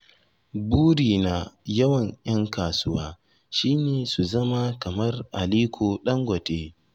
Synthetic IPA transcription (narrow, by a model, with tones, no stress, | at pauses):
buː˦ɽiː˨na˨jɐ˦wɐ˨ɲjɐ˦ŋkaː˨sʊ˦waː˦ | ʃiː˦neː˨su˨zɐ˦ma˦kɐ˨mɐ˦rʔa˨liː˦kʷʰoː˨ɗɐ˦ŋɡʷɐ˨teː˦